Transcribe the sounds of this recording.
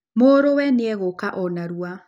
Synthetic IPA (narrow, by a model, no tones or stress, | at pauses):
moɾowɛneɛɣokaʔɔnaɾua